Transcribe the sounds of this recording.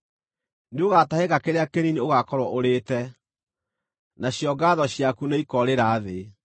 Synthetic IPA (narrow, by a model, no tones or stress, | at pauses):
neoɣataheɣakeɾeakenineoɣakɔɾwɔʔoɾeːtɛ | naɕjɔɡaːðɔɕjakuneikɔɾeɾaːðe